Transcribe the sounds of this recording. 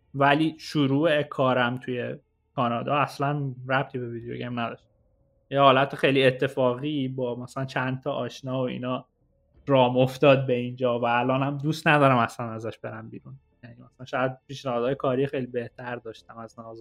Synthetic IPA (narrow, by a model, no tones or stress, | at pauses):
væliːʃuɾuːekʰɒːɾæmt̪ʰujḛ | kʰɒːnɒːd̪ɒːæslænræb̚t̪ʰiːbeviːd̪ejo̰ɡemnæd̪ɒʃt̪ | jehɒːlæt̪ʰexejliet̪ʰːe̞fɒːɣiːbɒːmæsælænt͡ʃʰænt̪ʰɒʔɒːʃnɒːoḭːnɒː | rɒːmoft̪ɒːd̪̚be̞ind͡ʒɒːvæːlɒːnhæmd̪ust̪næd̪ɒːɾæmæslænæzæʃbeɾæmbiːɾun | jæniːmæsælænʃɒjæd̪̚piːʃnæhɒːd̪hːjekʰɒːɾixejlibe̞ht̪ʰæɾd̪ɒːʃt̪æmæznɒz